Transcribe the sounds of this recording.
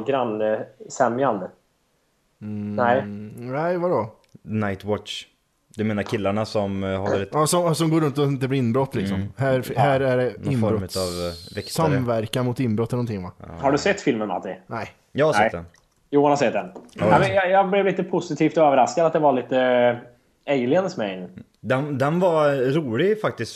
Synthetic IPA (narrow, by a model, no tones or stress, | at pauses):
ɡɾanːəsɛmjand̪ə | nɛnæɪvadɔ | najt̪ʰwɔtʂ | d̪ɵmeːnaɾkʰɪlːaɳasɔmhaɑːsɔmsɔmɡoːɾɵnt̪̬ɔɪnt̪̬əblɪɾɪnbɾɔt̪ːlɪksɔmhæɾfɦæɾæɖɛnɪnːɔɾbɾɔʉavɛkssamvæɾkanmʊt̪ɪnbɾɔt̪ːlnɔnt̪ʰɪŋːʋahaɖɵsɛt̪ːfɪlmənma̰t̪ɪ̰nɛɪ | jɑhaɾsɛd̪ɛn | juːhanhasɛt̪̚d̪ɛnamɛnjɑjɑblɛvliːt̪əpʰʊsɪt̪ʰiːft̪ɔøːvəɾaskad̪at̪̚d̪ɛvaɭiːt̪ə | ɛjlɪand̪əsmɛɪn | d̪ɛnd̪ɛnvɑɾuːlɪɡfak̚t̪ɪst̪